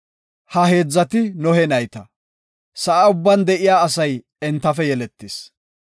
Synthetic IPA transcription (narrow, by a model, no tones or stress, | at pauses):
hɐɦe̞ːd͡zːɐt̪ɪnɔhɛnɐjt̪ɐ | sɐʔaʊbːɐnd̪ɛʔɪjaːɐsɐj | ɛnt̪ːɐfɛjɛlɛt̪ːɪs